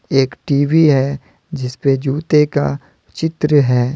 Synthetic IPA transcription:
eːkʈiːʋiɦɛ | d͡ʒɪsped͡ʒuːt̪eka̰ | t͡ʃɪt̪ɾəɦɛː

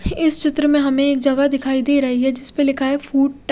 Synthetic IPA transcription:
ɪst͡ʃɪt̪ɾəmẽɦɐmẽeːk̚d͡ʒɐɡad̪ɪkʰaːid̪eːɾɐɦiɦɛd͡ʒɪspelɪkʰaɦɛfuːɖ̚ʈ

